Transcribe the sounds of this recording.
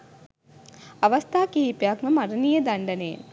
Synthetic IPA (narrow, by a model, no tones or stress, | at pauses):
aʋɐst̪aːkiɦipjakməmaɾənijəd̪aɳɖənḛː